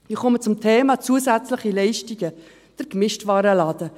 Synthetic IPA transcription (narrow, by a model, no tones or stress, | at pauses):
ɪχɔmət͡sʊmtʰeːmɑt͡suəsæt͡slɪχilɛɪʃtiɡə | d̥əɾkmɪʃtvɑːɾəlɑːd̥̪ə